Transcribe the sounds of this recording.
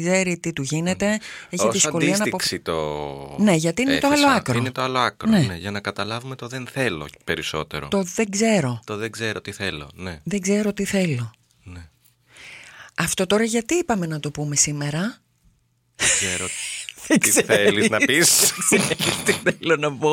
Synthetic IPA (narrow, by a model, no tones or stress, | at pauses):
ɡze̞ɾit̪it̪uʝine̞t̪e̞eçisðisɐko̞liɐnɐpoksfsit̪o̰ne̞ʝɐt̪iinet̪oɐlo̞ɐkɾoiinet̪oɐloɐkɾonne̞neʝɐnɐkɐt̪ɐlɐvumet̪oðe̞nθe̞lo̰pe̞ɾiso̞̰t̪e̞̰ɾo̰t̪oðe̞ɡze̞ɾo̞t̪oðeɡze̞ɾot̪iθe̞lo̞̰neðeŋɡze̞ɾo̞t̪iθe̞lo̞ | ne | ɐft̪o̞t̪o̞ɾɐʝɐt̪iipɐme̞nɐt̪o̞pume̞sime̞ɾɐ | ðɡzeɾoðeɡzeeɾiznɐpis | t̪iθelonɐpo